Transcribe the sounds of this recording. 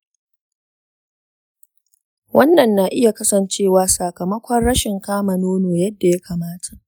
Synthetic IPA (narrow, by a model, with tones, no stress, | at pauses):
wɐ˦nːɐ˨nːa˨ʔɪ˦ja˨kɐ˦sɐ˨nt͡ʃeː˦˨waː˨sa˨kɐ˨mɐ˦kʷɔ˦rɽɐ˦ʃɪ˨ŋkaː˦mɐ˨noː˦noː˨jɐ˦dːa˨ja˦kaː˨maː˦tʰḁ˨ʔ